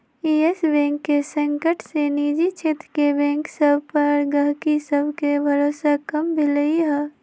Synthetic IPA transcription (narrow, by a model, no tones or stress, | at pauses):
iesbɛ̃ːŋkːesə̃ŋkəʈseniːd͡ʒit͡ʃʰeːt̪ɾkebɛ̃ːŋksəbʱpəɾɡəɦkisəbʱkebʱɐɾoːsakəmbʱiləiɦɛ